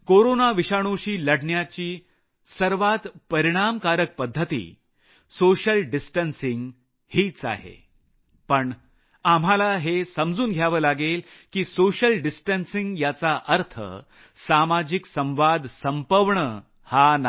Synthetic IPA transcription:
koɾonaʋiɕaɽ̃oɕiːləɽɳjat͡ɕiː | səɾʋat̪pəɾiɽ̃amkaɾək̚pəd̪ʱːət̪ḭː | soɕəlɖisʈənsiŋɡ | hiːt͡sa̰ɦḛ | pəɳ | am̤alaɦesəmd͡zuːnɡʱjaʋəːlaɡel | kiːsoɕəlɖisʈənsiŋɡjat͡saʔəɾt̪ʰə̰ | samad͡ʑiksə̃w̃ʋad̪ʱsəmpəʋɳə | hana

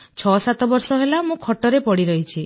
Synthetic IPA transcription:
t͡ʃʰɔsat̪ɔbɔɾsɔɦelamũkʰɔʈɔɾepɔɽiɾɔɦit͡ʃʰi

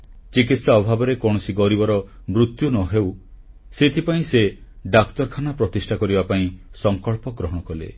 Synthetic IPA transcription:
t͡ʃikit̪saɔbʱabɔɾekɔɽ̃ɔsiɡɔɾibɔɾɔ | mɾut̪junɔɦew | set̪ʰipaĩseɖakt̪ɔɾkʰanapɾɔt̪isʈʰakɔɾibapaĩsɔŋkɔɭpɔɡɾɔɦɔɽ̃ɔkɔlḛ

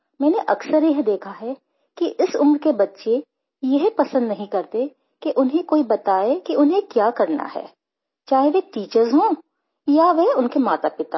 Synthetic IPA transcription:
mɛ̃ːneʔɐksəɾjɐɦd̪eːkʰaɦɛ | kiʔɪsʊ̰mɾkebɐtːʃe | jɛɦpɐsə̃nd̪nɐɦĩkɐɾt̪e | keʔʊnɦẽkoːibɐt̪aːekiʔʊnɦẽkjaːkɐɾna̰ɦɛ̰ː | t͡ʃaːɦeʋeʈiːt͡ʃəɾzɦõː | jaʋeʊnkemaːt̪apɪt̪aː

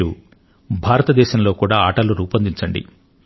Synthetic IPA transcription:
u | bʱaːɾɐt̪ɐd̪ɛːʃɐmlo̞ːkuːɽaːaːʈɐluɾuːpɐnd̪iɲt͡ʃɐɳɖḭ

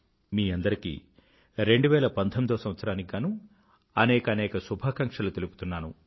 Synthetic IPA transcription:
miːɐnd̪ɐɾikḭ | ɾe̞ɳɖuʋɛːlɐpɐnt̪ʰomid̪oːsɐ̃mʋɐt̪sɐɾaːnikɡaːnu | ɐnɛːkɐnɛːkɐsubʱaːkɐŋkʂɐlut̪elupu̥t̪unːaːnu

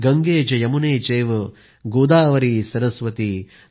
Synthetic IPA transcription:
ɡɐŋɡeːd͡ʒɐjɐmuneːt͡ʃeːʋɐ | ɡoːd̪aːʋɐɾisɐɾɐsʋɐt̪i

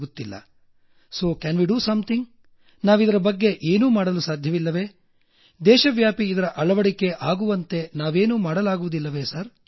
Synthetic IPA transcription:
ɡut̪ːilːɐ̰ | so̞ːkæːnʋiɖuːsɐmt̪ʰiŋɡ | naːʋid̪ɐɾɐbɐɡːe̞ʔeːnuːmaːɽɐlusaːd̪ʱjɐʋilːɐʋe̞ː | d̪ɛːʃɐʋjaːpiːd̪ɐɾɐʔɐɭɐʋɐɽike̞ʔaːɡuʋɐnt̪e̞naːʋe̞ːnuːmaːɽɐlaːɡuʋud̪ilːɐʋe̞ːsɐɾ

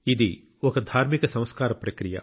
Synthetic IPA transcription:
ɪd̪ʱi | okd̪ʱaːɾmɪksɐ̃w̃skaːɾɐpɾɐkɾija̰

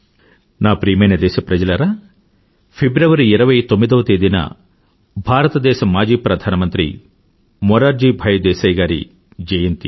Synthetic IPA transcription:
naːpɾiːmɐjnɐd̪ɛːʃɐpɾɐd͡ʒɐlɐɾaː | pʰebɾɐʋɐɾiiɾɐʋɐjt̪omːid̪ɐʋːɐt̪eːd̪inɐ̰ | bʱaːɾɐt̪ɐd̪ɛːʃɐmːaːd͡ʒiːpɾɐd̪ʱaːnɐmɐnt̪ɾḭ | mɔɾaːɾd͡ʒibʱɐjɐd̪ɛːʃɐjɡaːɾḭ | d͡ʒɐjɐnt̪i

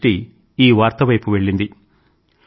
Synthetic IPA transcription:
ʈi | iːʋaːɾt̪ɐʋɐjpuʋe̞ɭːind̪i

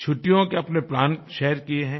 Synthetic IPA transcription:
t͡ʃʰʊʈːijõkeɐpneplaːnʃeːɾkieɦɛ̃ː

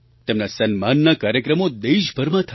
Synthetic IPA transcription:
t̪emnasənmanːakaːɾjəkɾəmod̪eʃbʱəɾmãt̪ʰə

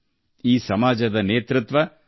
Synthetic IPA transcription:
iːsɐmaːd͡ʒɐd̪ɐneːt̪ɾut̪ʋɐ

